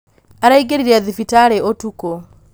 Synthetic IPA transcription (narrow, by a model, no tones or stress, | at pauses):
aɾaiɡeɾiɾiaðifitaɾeʔotuko